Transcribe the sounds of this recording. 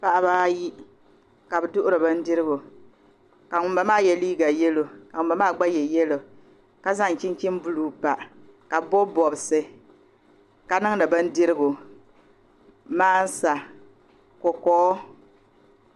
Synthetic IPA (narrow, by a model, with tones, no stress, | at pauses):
pa˦ʔa˦βaː˦ji˦ | ka˨bɨ˨dʊ˦ʔʊ˦ɾɨ˨ba˦n̩˦dɪ˦ɾɨ˦ɡo˨ | ka˨ŋʊ˨mba˨˦maː˦˨jɛ˨liː˦ɡa˨jɛ˦lo˨ka˨ŋʊ˨mba˦maː˦˨ɡ͡ba˦jɛ˨jɛ˦lo˨ | ka˦za˦ŋ˨ki˦n˦ki˦m˦bu˦luː˨pa˨ʔ | ka˨bbo˦bɔ˨bsɨ˨ | ka˨nɨ˦ŋ˦nɨ˨bɨ˦n̩˦dɪ˦ɾɨ˦ɡo˨ | maː˦n̩˦sa˨ | kɔ˨kɔː˦